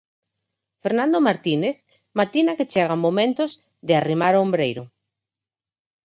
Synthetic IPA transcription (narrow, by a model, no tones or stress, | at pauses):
feɾnãnd̪omaɾt̪ineθ | mat̪inaket͡ʃeɣ̞amomẽnt̪oz | ðearimaɾoombɾejɾʊ